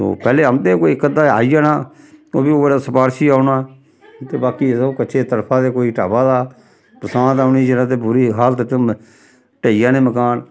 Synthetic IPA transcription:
so̰ːpɛːleːəmt̪eːkoːikːəd̪ãːa̰ːijaːnaː | o̰ːbiːoːɾaːsəpaːɾʃiːaːʊnaː | t̪eːbaːkiːokəʃʰeːt̪əɾpʰãːd̪eːkoːiːʈaːbaːd̪aː | pəsãːt̪aːʊniːd͡ʒɪnãːt̪eːbʊɾiːɦaːlt̪et̪ː | ʈeːijãːnẽːməkaːn

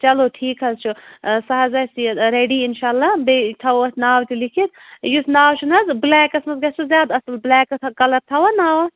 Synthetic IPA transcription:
t͡ʃɐloʈʰiːkɦɐzt͡ʃʰusɐɦɐzɐsiɐɾeɖiːinʃaːlːabeʈ̪ʰɐwɐsnaːwt̪ilikʰit̪̚jusnaːwt͡ʃʰunɦɐzblɛːkɐsmɐsɡɐt͡ʃʰuzʲjaːd̪ɐsɐlblɛːkɐt̪ʰkɐlɐɾt̪ʰɐwɐnaːwɐs

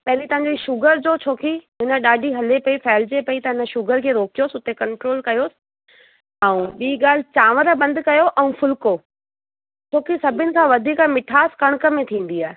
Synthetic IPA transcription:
pɐɦɪlit̪ɐʋ̤ãɲd͡ʑiʃʊɡəɾd͡ʑoːt͡ɕʰoːkiɦɪnə̆ɗaːɖʱiɦɐlepɐifɛːɪld͡ʑepɐit̪ɐɦɪnə̆ʃʊɡəɾkʰeːɾoːkijoːsɪʊt̪ekɐ̃ɳʈɾoːlkɐjoːsɪ̥ | ɛũɓiːɡaːl̤ɪt͡ɕaːʋəɾəbɐ̃nd̪kɐjoʔɛũfʊlkoː | t͡ɕʰoːkisɐbʱɪnɪ̆kãʋɐd̪ʱiːkmɪʈʰaːskɐɽ̃kə̆mẽt̪ʰĩːn̆d̪iaːɦe

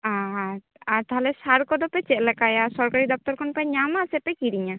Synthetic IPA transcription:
aɾ | aɾt̪aɦalɛsaɾkɔd̪ɔpɛt͡ʃɛʔlɛkajasɔɾkaɾid̪ɔp̚t̪ɔɾkʰɔnpɛɲamasɛpɛkiɾiɲa

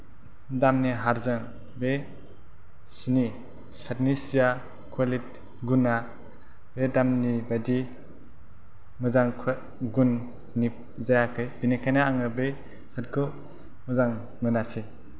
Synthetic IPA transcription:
damniɦaɾzɯŋ | be | sini | satnisija | kʰwalit̚ | ɡuna | bedamnibadi | mɯzaŋkʰ | ɡunː | i | zajakʰɯjb̥inikʰajnaːŋɯbe | sat̚kʰo | muzaŋ | mɯnase

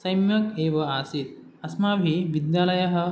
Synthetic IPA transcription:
sɐjmjɐkeːʋɐaːsit̪̚ | ɐsmaːbʱiʋid̪jaːlɐjɐɦɐ̆

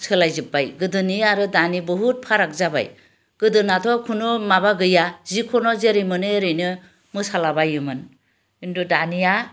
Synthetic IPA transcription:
sʰɯlajzɯpːajɡɯdɯniaɾɯdanibɔɦut̚pʰaɾak̚zaba̰j | ɡ̥ɯdɯnatʰɔkʰunɔmabaɡɯjazikʰɔnɔzeɾɯjmɯnɯeɾɯjnɯ | mɯsalabajɯmɯn | indudanija

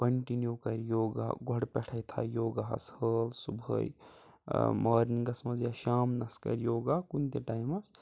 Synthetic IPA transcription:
kɐɳʈinjukɐɾjoːɡa̰ɡʱɔɽpɛʈʰəjt̪ʰa̰joːɡaɦɐ̰shəːlsubʱə̰j | maːɾinɡɐsmɐzjaʃaːmnɐskɐ̰ɾjoːɡaːkunt̪eʈaːjmɐs

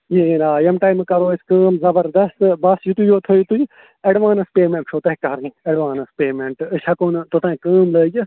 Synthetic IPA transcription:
jeenaːjɐmʈaːimkɐɾoːiskəːmzɐbɐɾd̪ɐst̪ɨbɐst̪jut̪ujoːt̪ʰojut̪uj | ɛɖʋaːnɐspeːmẽɳʈt͡ʃʰoːt̪ɐɦikɐɾniɐɖʋãːnɐspeːmeɳʈɨʃʰɐkont̪ot̪ɐ̃ːkəːmləːd͡ʒɨ

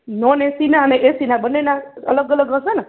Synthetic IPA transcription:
nɔnesinaəneʔesinabənːenaə̰ləɡələɡɾə̃sana

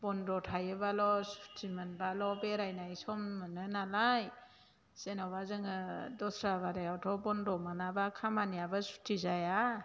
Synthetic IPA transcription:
bɔnɾɔtʰajɯbalɔsu̥tʰimanbalɔbeɾajnajsɔmːɯnɯnalaj | senɔbazɯŋɯdɔsɾaβaɾajawtʰɔbɔndɔmanabakʰamanijabasu̥tʰizaja

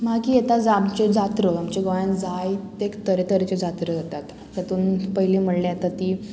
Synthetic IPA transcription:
makiːjet̪ad͡zamt͡ɕed͡zat̪ɾəamt͡ɕeɡəand͡zajt̪ekt̪əɾet̪əɾet͡ɕed͡zat̪ɾəd͡zat̪at̪ | t̪at̪uːnpəɦilim̤əɽleat̪at̪iː

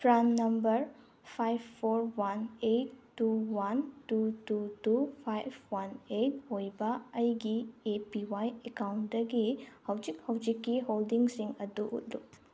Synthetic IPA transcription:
pɾanːɐmbɐɾ | pʰajbʰoɾwanetːuwantututupʰajbwanet̚hojbɐɐjɡiepiwajekawndɐɡihawd͡ʒik̚hawd͡ʒikːiɦoldiŋsiŋɐduʔṵt̚luk̚

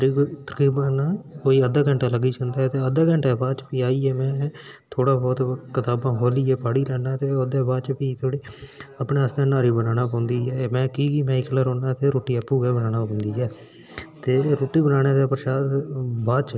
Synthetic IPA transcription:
əɾiːt̪əɾkɾiːbãnãːkoːiːəd̪aːkəɳʈaːləɡiːt͡ʃə̃nd̪aːɛt̪eːəd̪aːkə̃ɳʈɛːbaːd̪t͡ʃpiːaːiːɛːmɛ̃ː | t̪ʰoːɽaːbɔːt̪kɪt̪aːbãːɦoːliːɛːpaːɽiːlɛːnːaːt̪eːod̪ɛːbaːd̪t͡ʃpiːt̪ʰoːɽiːəpɳeːəst̪ãːnaːɾiːbənaːnaːpãːʊnd̪iːɦɛːmɛ̃ːkiːkiːmɛ̃ːɪkləɾoːnaːt̪eːɾoːʈːiːəpːuːɡɛːbənaːnaːpãːnd̪iːɛː | t̪eːɾoːʈːiːbənaːɽeːd̪eːpəɾʃaːd̪baːt͡ʃ

